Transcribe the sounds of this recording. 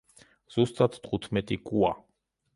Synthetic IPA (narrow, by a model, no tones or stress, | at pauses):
z̥ust̪ʼat̪t̪ʼχut̪ʰmɛt̪ʼikʼua